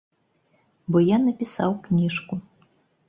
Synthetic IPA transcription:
bɔjanɐpʲisa̰wknʲiʂku

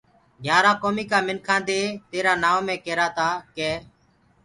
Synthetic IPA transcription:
ɡʱjaːɾaːkoːmiːkaːmɪnkʰãːnd̪eːt̪eːɾaːnaːʋmẽːkeːɾaːt̪aːkeː

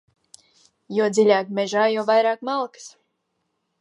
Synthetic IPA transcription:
juːd̪zilʲaːkmʲɛʒaːjɔwvajɾaːkmalˠkə̥s

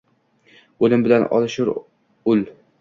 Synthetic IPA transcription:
ɵlɪmbɪlanɒ̰lˠɨʃʊɾ | ɵl

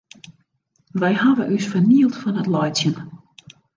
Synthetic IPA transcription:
ʋɛjhaʋəʔysfəniəlˠtfɔnətlɔjtsjən

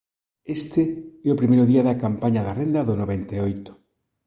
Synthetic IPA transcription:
est̪eɛopɾimejɾoðiaðakampaɲaðarend̪aðonoβent̪eojt̪ʊ̥

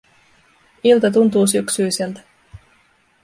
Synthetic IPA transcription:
ilt̪ɑt̪̬unt̪uːs̬yksyjsilt̪æ̥

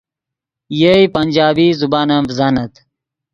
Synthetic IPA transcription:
jeipɐnʲd͡ʑaːbiːzubaːnãmbzanɐt̪

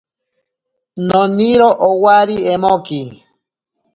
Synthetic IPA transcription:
nɔniɾoʔowaɾiɛmoki

